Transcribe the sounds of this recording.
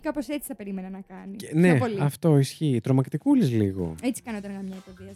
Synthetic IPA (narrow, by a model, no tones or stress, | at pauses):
kɐpo̞set͡si̥θɐpe̞ɾimenɐnɐkɐninepoliɐft̪o̞isçiːt̪ɾo̞mɐkt̪ikulizliɣo̞̰et͡si̥kɐnot̪ɐɣɐmɲɐp̪oviɐ